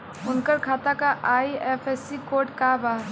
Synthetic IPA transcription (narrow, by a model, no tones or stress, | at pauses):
ʊnkəɾkʰat̪akaʔaiepʰɛsikoɾʈkabaː